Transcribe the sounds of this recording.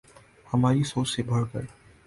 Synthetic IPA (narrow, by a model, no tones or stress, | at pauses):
hɐmaːɾisoːt͡ʃsebʱɐɽkə̰ɾ